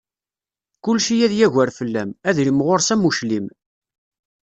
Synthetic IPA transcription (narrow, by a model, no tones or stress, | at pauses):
kʊlʃijæðjæʝæɾfəlːæmæðɾimʁoɾsæmuʃlim